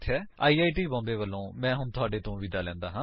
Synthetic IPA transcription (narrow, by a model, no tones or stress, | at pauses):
t̪ʰɛːa̰ːiːaːiːʈiːbɔ̃ːnd̪eːʋəlːõːmɛ̃ːɦʊnt̪ʊaːɖeːt̪õːʋiːd̪aːlɛ̃ːnd̪aːɦãː